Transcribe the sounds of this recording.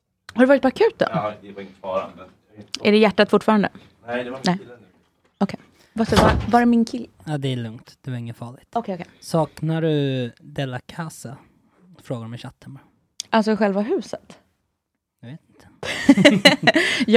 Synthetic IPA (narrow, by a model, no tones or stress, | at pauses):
haɾɖɵvɑːɾɪt̪pʰɔakʰʉ̟ːt̪ːə̰n | ʔæɖɛjæʈːat̪fʊʈfɑːɾand̪ə̰ | nɛ | ɔkʰej | vasɔvavaɾɛmɪnkʰɪlːəaːd̪ɛæɭɵŋt̪d̪̥ɛvaɾɪŋːənfɑːɭɪɡt̪ɔkʰejɔkʰejsɑːknaɖɵd̪ɛlːakʰasa | fɾoːɡaɖmɛɕat̪ʰːəmɛ | ʔals̬ɔɧɛlvaɦʉ̟ːsət̪ | d̪ɵveːt̪ɪnt̪ʰə̥ | j